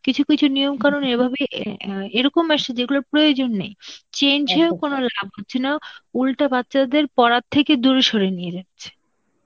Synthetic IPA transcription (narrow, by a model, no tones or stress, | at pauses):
kit͡ɕʰukit͡ɕʰunijomkaɾonebʱabeʔeɾɔkomɛʃad͡ʑeɡulaɾpɾojod͡ʑonːejt͡ɕend͡ʑɦeokonolabɦotːɕʰenaulʈabatːɕad̪eɾpɔɾad̚t̪ʰːeked̪uɾeʃoɾenijed͡ʑatt͡ɕʰe̥